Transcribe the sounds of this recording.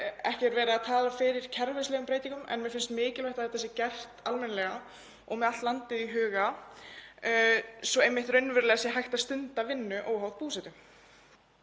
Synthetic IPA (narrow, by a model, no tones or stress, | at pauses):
ɛhcɛɾvɛːɾaaðt̪ʰaːlafɪɾɪɾ̥cʰɛɾvɛslɛɣʏmpɾeːjt̪iŋkʏmɛ̰nmɛfɪnst̪mɪːcɪlvaht̪aðiθɛsːɪcɛr̥t̪almɛnalɛɣa | ɔ̰ɣmɛðat̪t̪lant̪ɪðiɦʏːɣa | sɔejmːɪht̪rœɥnvʏɾlɛɣasjɛɦajht̪ast̪ʏnt̪avɪnːʏʔoːwɦawðpuːsɛt̪ʏ